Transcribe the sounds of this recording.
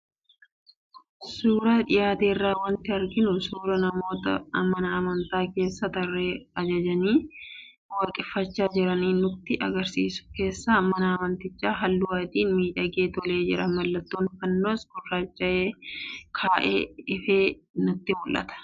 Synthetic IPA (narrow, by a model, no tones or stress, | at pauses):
suːɾaːᶑɪjaːt̪e̞ːrːaːwɐnt̪ɪɐɾɡɪnʊsuːɾɐnɐmo̞ːt̪ɐ̰mɐnɐɐmɐnt̪aːke̞ːsːɐt̪ɐrːeːɐd͡ʒɐd͡ʒɐniː | waːkʼɪfːɐt͡ʃːaːd͡ʒɪɾɐniːnʊt̪ːɪʔɐɡɐɾsiːsʊ̥ke̞ːsːaːmɐnɐːmɐnt̪ɪt͡ʃːaːɦɐlːʊwaːt̪iːnmiːᶑɐɡe̞ːt̪ɔle̞ːd͡ʒɪ̰ɾɐmɐlːɐt̪ːoːnfɐnːoːsɡʊrːaːt͡ʃːɐʔeːkʰaːʔḛːɪfe̞ːnʊt̪ːɪmʊlʔɐ̰t̪ɐ̥